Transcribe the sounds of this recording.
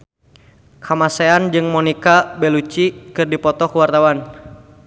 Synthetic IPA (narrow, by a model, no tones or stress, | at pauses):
kʰamaseand͡ʒɨŋmɔnikabɛlut͡ʃikɨrdipɔt̪ɔkuwart̪awan